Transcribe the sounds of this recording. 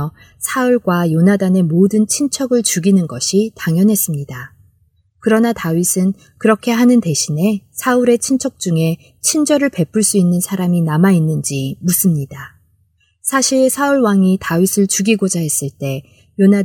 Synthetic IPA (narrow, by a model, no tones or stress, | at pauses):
sʰauɭɡwajonadane̞modɯnt͡ɕʰint͡ɕʰʌɡɯɭt͡ɕuɡinɯnɡʌɕʰitaŋjʌnɦe̞s͈ɯmɲida | kɯɾʌnatawɥisʰɯn | kɯɾʌkʰe̞ɦanɯnte̞ɕʰine̞sʰauɾe̞t͡ɕʰint͡ɕʰʌk̚t͡ɕ͈uŋe̞ | t͡ɕʰind͡ʑʌɾɯɭpe̞pʰɯɭs͈uinːɯnsʰaɾaminamainːɯnd͡ʑimusʰɯmɲida | sʰaɕʰiɭsʰauɭwaŋitawɥisʰɯɭt͡ɕuɡiɡod͡ʑaɦe̞s͈ɯɭt͈e̞ | jona